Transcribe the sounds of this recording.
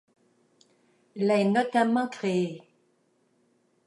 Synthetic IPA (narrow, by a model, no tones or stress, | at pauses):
laɛnɔt̪amɑ̃kχee